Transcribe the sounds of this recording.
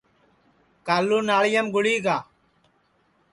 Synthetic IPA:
kaːlːuːnaːɭɪjəmɡʊɽiːɡaː

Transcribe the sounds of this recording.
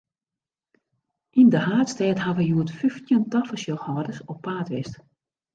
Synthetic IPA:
ʔindəhaːtstɛːthaʋəjuətfyftjəntɔfəsjoxɔːdəsɔpːaːtʋɪst

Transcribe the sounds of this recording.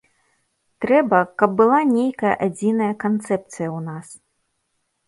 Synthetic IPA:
t̪ɾɛbɐkɐb̚ːɨlˠanʲejkɐjɐ̰ʔad͡zʲinɐjɐkant̪sɛpt̪sɨjɐwnas

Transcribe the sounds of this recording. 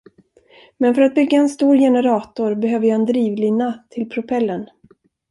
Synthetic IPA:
mɛnfœɾat̪̚bʏɡːaɛnst̪uːɾjɛnɛɾɑːt̪ʊɾbɛɦøːvəjhaɛnd̪ɾiːvlɪnːat̪ʰɪlpʰɾʊpʰɛlːən

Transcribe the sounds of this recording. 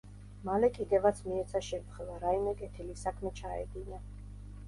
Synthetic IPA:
malɛkʼid̪ɛvat̪sʰmiɛt̪sʰaʃɛmt̪χɛvaɾaimɛkʼɛt̪ʰilisakʰmɛt͡ʃʰaɛ̰d̪ina

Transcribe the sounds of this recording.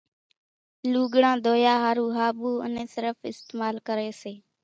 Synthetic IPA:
luːɡɽãːd̪ʱoːjaːɦaːɾuːɦaːɓuːə̰nẽːsɪɾəfɪst̪eːmaːlkəɾeːseː

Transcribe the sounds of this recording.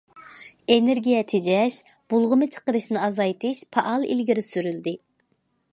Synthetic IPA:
eneɾɡʲijɛt̪ʰed͡ʒɛʃ | b̥ulˠʁʊmɨt͡ʃʰə̥qəɾɨʃnɨɑzɑjt̪ʰɨʃpʰɑʔɑlˠḭlɡʲiɾɪsyɾyld̪ɪ

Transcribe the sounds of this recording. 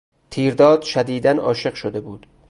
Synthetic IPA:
t̪ʰiːɾd̪ɒːd̪̥ʃæd̪iːd̪ænɒːʃe̞ɢʃod̪e̞buːd̪̥

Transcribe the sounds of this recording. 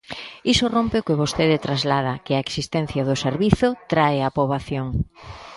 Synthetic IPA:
isʊrompɪʊkɪβost̪eðɪt̪ɾazlað̞ɐkɪaeksist̪ɛn̟θjaðʊseɾβiθʊt̪ɾaeapoβaθjoŋ

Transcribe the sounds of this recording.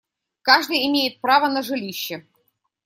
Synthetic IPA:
kɑʐd̪ɨjɪmʲejɪt̪̚prɑvənɐʐɨlʲiɕːɪ

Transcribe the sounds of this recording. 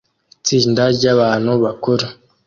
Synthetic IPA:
it͡siːndaɾɟaβaːn̥huβakoɾa

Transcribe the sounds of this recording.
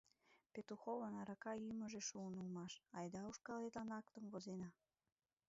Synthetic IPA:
pet̪uxoβənɑɾɑkɑymə̆ʒeʃuənulmɑʃɑjd̪ɑuʃkɑlet̪ɑnɑkt̪ə̆mvozenɑ

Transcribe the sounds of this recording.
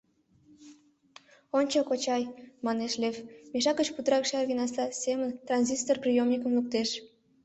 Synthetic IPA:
onʲt͡ɕokot͡ɕɑjmɑneʃlʲevmeʃɑkət͡ɕput̪əɾɑkʃɑrɣinɑslɑsemənt̪rɑnʲzʲist̪orprʲijomnʲikə̆mluk̚t̪eʃ

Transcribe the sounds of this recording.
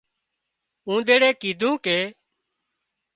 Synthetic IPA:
ũːɗ̪eːɽeːkiːd̪ʱũːkeː

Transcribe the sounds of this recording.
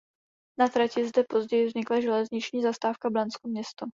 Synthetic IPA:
nat̪ɾacɪzdɛpo̞zɟɛjɪvzɲɪklaʒɛlɛzɲɪt͡ʃɲiːzast̪aːfkablanskomɲɛst̪o

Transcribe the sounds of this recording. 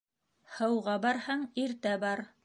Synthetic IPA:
hɤ̆wʁɑbɑɾhɑɴiɾt̪æbɑɾ

